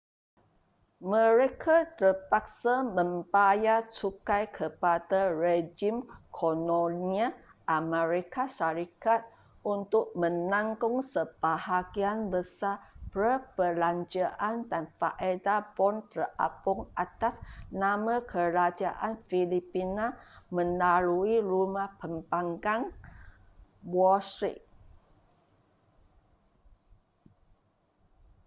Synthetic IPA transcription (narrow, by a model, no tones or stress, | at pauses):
mə̃ɾekʰat̪ərpak̚samə̃mbajat͡ʃukajkʰəpadared͡ʒimkʰoloniaʔamɛɾikaʃaɾikat̪̚ | unt̪ʊʔ̚mə̃naŋkʊŋsəb̥ahaɡianbəsapɾəpəlaɲd͡ʒaʔandanfaʔedabɔnt̪əra̰pʊŋat̪asnamãkʰəɾad͡ʒaʔanfilipinamə̃naluiɾumahpəmbaŋɡaŋ | wɔst̪ɾḭt̚